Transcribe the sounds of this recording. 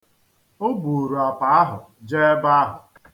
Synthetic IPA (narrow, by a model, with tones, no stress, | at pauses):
o˦bu˨ɾu˨a˨pa˨˦a˦ɦʊ˨ | d͡ʒe˦ba˦a˦ɦʊ˨